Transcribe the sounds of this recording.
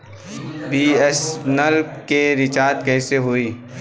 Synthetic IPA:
biːɛsnəlkkeɾɪt͡ʃaːt̪kɛːseɦoiː

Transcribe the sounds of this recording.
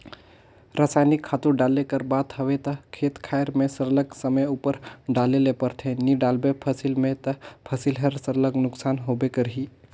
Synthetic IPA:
ɾasaːjnɪkʰːaːt̪uɾɖaːlekəɾbaːd̪ɦəʋet̪ɐkʰeːt̪kʰaːjəɾmẽsəɾləɡsəməjupəɾɖaːlelepəɾt̪ʰẽniɖaːlbepʰɐsilmẽt̪ɐpʰɐsilɦɐɾsəɾləɡnʊksaːnɦoːbekəɾɦiː

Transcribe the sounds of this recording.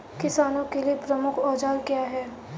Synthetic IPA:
kɪsaːnõkeliepɾɐmʊkʰɔːd͡ʒaːlkijaɦɛː

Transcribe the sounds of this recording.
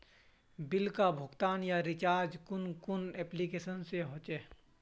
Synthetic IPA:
bɪlkabʱʊɡt̪aːnjaɾɪt͡ʃaːɾd͡ʒkʊnkʊnɛːplikeːsənseɦoːt͡ʃeː

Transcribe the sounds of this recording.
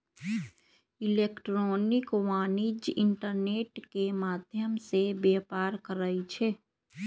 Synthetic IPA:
ɪlekʈɾɔːnɪkwaːnid͡ʒɪɳʈəɾneːʈkemaːd̪ʱjəmsebeːpaːɾkəɾəit͡ʃʰɛ

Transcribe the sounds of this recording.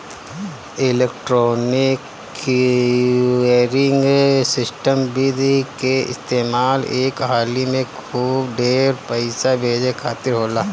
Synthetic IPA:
ɪlek̚ʈɾoːnɪk | eɾɪ̃ŋɡsɪsʈəmbid̪ikeɪ̰st̪eːmaːleːkɦaːlimẽkʰuːbɖeːɾpəɪsabʱeːd͡ʒekʰaːt̪ɪɾɦoːlaː

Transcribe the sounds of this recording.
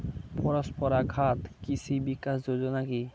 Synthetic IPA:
pɔɾospɔɾaɡʱat̪kit͡ɕʰibikːasd͡ʑod͡ʑonaki

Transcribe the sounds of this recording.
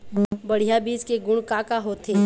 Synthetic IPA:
bɐɽ̤ijabiːd͡ʒkeɡʊɽkaːkaɦoːt̪ʰeː

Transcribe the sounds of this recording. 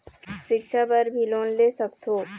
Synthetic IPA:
ʃɪkʃʰapɐɾbʱiloːnleːsəkt̪ʰoː

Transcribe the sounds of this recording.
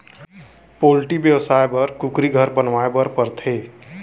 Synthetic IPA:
poːlʈibjəwsaebəɾkʊkɾiɡʱəɾbənʋaebəɾpəɾt̪ʰeː

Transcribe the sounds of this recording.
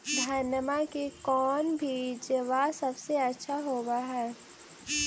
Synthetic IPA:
d̪ʱanəmakekɔːnbʱid͡ʒəʋasɐbseɐtːʃʰaɦoːbaɦɛː

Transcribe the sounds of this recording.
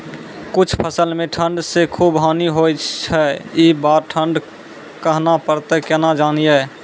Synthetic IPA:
kʊt͡ʃʰpʰəsəlmẽʈʰəɳɖsekʰubɦaːniɦot͡ʃʰɛibaɾʈʰəɳɖ | kəɦnapəɾt̪ekɛnad͡ʒaːnije

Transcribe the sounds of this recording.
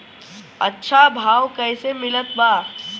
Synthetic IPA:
ɐ̰tːʃʰabʱaːʋkɛːsemɪlət̪baː

